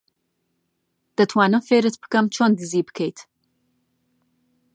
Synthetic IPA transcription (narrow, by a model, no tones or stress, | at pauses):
d̪̥ət̪ʰwɑːnɨfeɾɨt̪̚bɨ̥kɐmt͡ʃʰonɡɨziːbɨ̥kʰejt̪